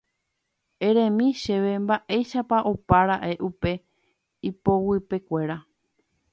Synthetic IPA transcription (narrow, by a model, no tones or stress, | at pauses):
eɾẽmĩʃe̞ʋe̞mbaʔejʃapaʔopaɾaʔe̞ʔupe̞ | ipo̞wɨpe̞kʷe̞ɾa